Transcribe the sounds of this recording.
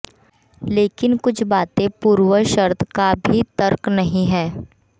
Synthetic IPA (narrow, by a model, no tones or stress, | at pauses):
leːkɪnkʊt͡ʃʰbaːt̪ẽpuːɾwəʃəɾt̪ʰkabʱit̪əɾknɐɦĩɦɛː